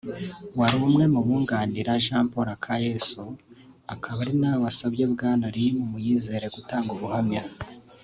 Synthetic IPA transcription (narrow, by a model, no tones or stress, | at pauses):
waɾuumŋe̞muβuːŋɡaːndiɾaʒaːmpoɾakʰaje̞su | akʰaβaɾinaːwasabɟebɡaːnaɾijmumujiːze̞ːɾe̞ɡutaːŋɡuβuhamɲa